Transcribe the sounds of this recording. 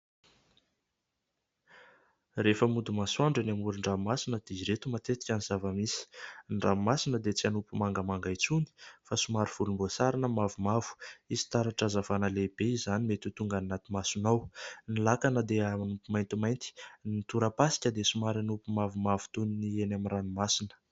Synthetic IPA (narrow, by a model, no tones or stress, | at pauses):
refəmud̪umasuaɳɖ͡ʐanamuɾuɳɖ͡ʐamasinəd̪̥iziɾet̪umat̪et̪i̥kʲanizavəmisi̥ɳɖ͡ʐamasinəd̪et͡sianupumaŋɡəmaŋɡajt͡suni̥fasumaɾiv̥ulumbosaɾanəmavumavu̥izi̥t̪aɾaʈ͡ʂazavanəleb̥eizanimet̪ut̪uŋɡannat̪imasunawnilakanəd̪eaanupumajnt̪imajnt̪i̥nint̪uɾəpasi̥kʲəd̪esumaɾanupumavumavu̥t̪uninienamiranimasinə̥